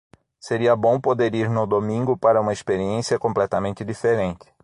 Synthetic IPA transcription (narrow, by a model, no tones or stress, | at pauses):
seɾiɐbõw̃pod̪eɾiɾnʊd̪omĩŋɡʊpaɾɐũmɐespeɾiẽsiɐkõmplɛt̪ɐmẽnt̪ɪd̪ifeɾẽnt̪ɪ̥